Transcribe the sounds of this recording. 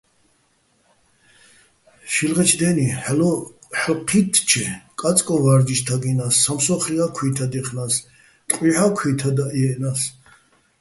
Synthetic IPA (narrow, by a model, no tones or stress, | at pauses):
ʃilʁɛt͡ʃʰd̪ɛniħɛlɔħqʰit̪ʰt͡ʃʰɛkʼat͡s̪ʼkʼɔnvaɾd͡ʒiʃt̪ʰaɡinasːamsɔχliakʰwit̪ʰad̪ɛχnas | t̪ʼqʼwiħakʰwit̪ʰad̪aʔiɛnas